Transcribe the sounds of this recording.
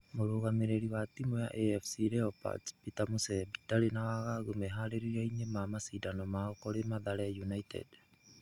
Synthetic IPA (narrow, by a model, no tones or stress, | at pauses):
moɾoɡameɾeɾiβatimoja̰ʔeefʰsiɾeopa̰t͡spitamusebitaɾenawaɡaɡumeɦaɾeɾiɾajɲemamasidanomaokoɾemaðaɾejunajtʰḛd